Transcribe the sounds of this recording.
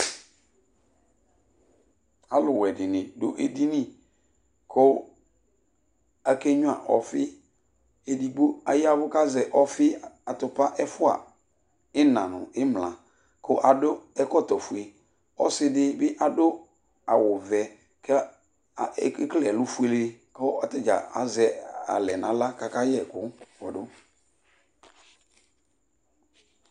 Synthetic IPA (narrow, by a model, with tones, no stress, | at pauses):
a˨lʊ˨wɛ˨dɪ˨nɪ̃˨dʊ̰˦ʔe˨di˦nɪ̃˦ | kʰʊ˦ | a˨ke˦ɲʊ˦a̰˨ʔɔ̰˨fɪ˦ | e˨di˨ɡ͡bo˦a̰˨jɪ˦a˦bʊ˦ka˦zɛ˨ʔɔ˦fɪ˦a˨tʊ˨pa˦ʔɛ˦fʊ˦a̰˨ | ɪ˦nã̰˨nʊ̰̃˨ɪ˦mlã̰˨ | kʊ˦ʔa˨dʊ˦ɛ˦kɔ˦˨tɔ˨fu˨e˨ | ɔ̰˦sɪ˦dɪ˦bɪ˦ʔa˨dʊ˦ | a˨wʊ˨vɛ˨ | k | klɛ˨lʊ˦fu˦e˨lkʊ˦a˦tɪ˦d͡ʒa̰˨a̰˨zɛ˨a̰˨lɛ˨nã˨˦la˦ka˨ka˦jɛ˨kʊ˦fɔ˨dʊ˦